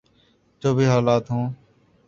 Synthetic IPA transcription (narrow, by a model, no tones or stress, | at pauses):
t͡ʃoːbʱiːɦaːlaːt̪ɦũː